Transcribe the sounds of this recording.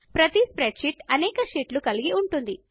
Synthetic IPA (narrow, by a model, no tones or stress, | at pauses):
pɾɐt̪ispɾeɖʂiʈɐnɛːkɐʃiːʈlukɐliɡiuɳʈund̪i